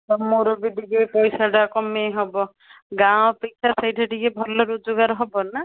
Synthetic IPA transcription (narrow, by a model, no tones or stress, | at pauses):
tɔmoɾɔbiɖiɡepɔjsaɖakɔmeɦɔbɔ | ɡãw̃ɔpeksʰasajʈʰeɖiɡebʱɔlɔɾud͡ʒoɡaɾɦɔbɔna